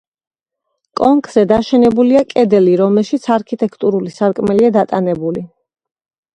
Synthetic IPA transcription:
kʼɔŋkʰʼz̥ɛd̪aʃɛnɛbuliakʼɛd̪ɛliɾɔmɛlˠʃit̪sʰaɾkʰit̪ʼɛkʰt̪ʼuɾulisaɾkʼmɛliad̪at̪ʼanɛbuli

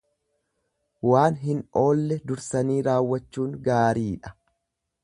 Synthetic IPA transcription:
waːnɦɪno̞ːlːɛd̪ʊɾsɐniːɾaːwːɐt͡ʃːuːŋɡaːɾiːᶑɐ̥

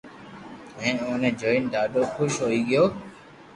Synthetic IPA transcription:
ɛ̃ːoːnẽːd͡ʒoːɪnd̪aːɗoːxʊʃɦoːiːɠɪjoː

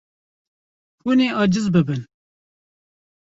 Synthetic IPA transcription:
puneːɑːd͡ʒɨzbɨbɨn

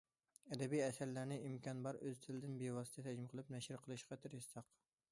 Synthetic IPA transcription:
ɛd̪ɛbijɛsæɾlæɾnɪʔimkʰʲɑnbɑɾøz̥t̪ʰɪlɪd̪ɪnbewɑsɨ̥t̪ʰɛt̪ʰæd͡ʒmɪqʰəlˠɨpnɛʃhɪɾqʰəlˠɨʃqɑt̪ʰɪɾissɑq

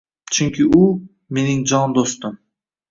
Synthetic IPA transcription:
t͡ʃʰʏŋkʲʰɪʊ | me̞nɪŋd͡ʒɒnd̪ost̪ɪm

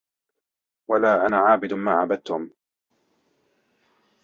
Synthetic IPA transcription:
walaːʔanaʕaːbɪd̪maːʕabad̪̚t̪ʊm

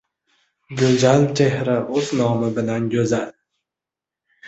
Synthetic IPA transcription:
ɡʲɵzalt͡ʃʰehɾaʔɵznɒmɪbɪlanɡʲɵzal

